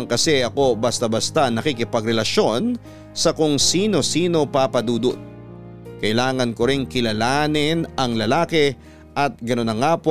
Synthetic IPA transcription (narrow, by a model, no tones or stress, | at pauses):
ŋkɐsɛʔɐko̞bɐst̪ɐbɐst̪anɐkikɪpɐɡɾɛlɐʃo̞n | sɐkʊŋsiːno̞siːno̞papɐd̪uːd̪ot̪̚ | kɐʔɪlaːŋɐnkoɾɪŋkɪlɐlaːnɪnɐŋlɐlaːkɛ | ʔɐt̪̚ɡɐnonɐŋaːp